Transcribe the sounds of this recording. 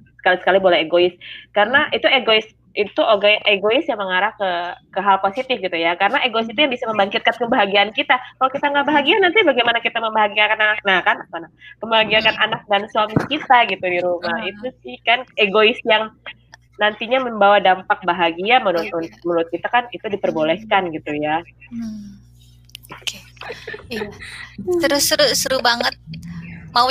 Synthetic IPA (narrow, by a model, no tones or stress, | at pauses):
sə̥kalisə̥kalibolɛheɡoɪskaɾənaʔit̪ueɡoɪs | it̪uʔoɡajŋʔeɡoɪsjaŋməŋaɾahkəkəɦalposit̪ɪfɡit̪ujakaɾənaʔeɡoisit̪ujaŋbisaməmbaŋkɪt̪̚kankəbaɦaɡiaːnkit̪akalawkit̪aŋɡabaɦaɡianant̪ibaɡajmanakit̪aməmbaɦaɡiakananak̚nahkanapanahkəbaɦaɡiakananak̚dansuwamikit̪aɡit̪udiɾumahit̪usɪhkaneɡoɪsjaŋ | nant̪iɲaməmbawadampak̚baɦaɡiamənuɾʊt̪̚mmənuɾʊt̪̚kit̪akanit̪udipərbolɛhkanɡit̪uja | ooke | sɾusɾusɾubaŋət̪̚ma